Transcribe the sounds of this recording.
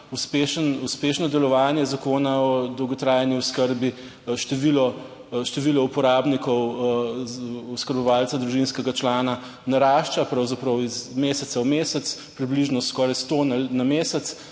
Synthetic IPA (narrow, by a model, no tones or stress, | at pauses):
uspeʃənuspeʃnɔd̪ɛlɔʋaːnjɛzakoːnaɔd̪ɔwɡɔt̪ɾaːjaniuskəɾbi | ʃt̪ɛʋilɔ | ʃt̪ɛʋilɔupɔɾaːbnikɔw | uskəɾbɔʋaːlt͡s̪ad̪ɾuʒinskɛɡat͡ʃlaːna | naɾaːʃt͡ʃapɾawzapɾɐwizmeːsɛt̪sawmeːsɛt̪s | pɾibliʒnɔskɔːɾajst̪onanameːsɛt̪s